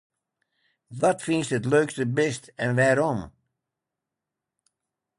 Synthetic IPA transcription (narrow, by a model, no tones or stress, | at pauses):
ʋɔtfinstətløːkstəbɪstɛnʋaːɾɔm